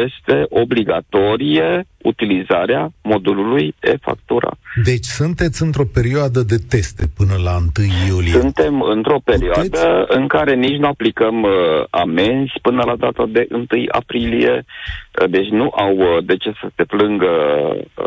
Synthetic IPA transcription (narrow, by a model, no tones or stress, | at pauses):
je̞st̪e̞ʔo̞bliɡat̪o̞ɾijeut̪ilizaɾeamo̞d̪ululuje̞̰fa̰k̚t̪uɾʔa̰d̪e̞t͡ʃʲsunt̪e̞t̪sʲɨnt̪ɾo̞pe̞ɾioad̪əd̪e̞t̪e̞st̪e̞pɨnəlaɨnt̪ɨjːuliesunt̪e̞mɨnt̪ɾo̞pe̞ɾioad̪əɨŋkaɾe̞nit͡ʃʲnuaplikəma̰me̞nzʲpɨnəlad̪at̪ad̪e̞ʔɨnt̪ɨja̰pɾilije̞̰ | d̪e̞t͡ʃʲnuʔawd̪e̞t͡ʃe̞səse̞plɨŋɡə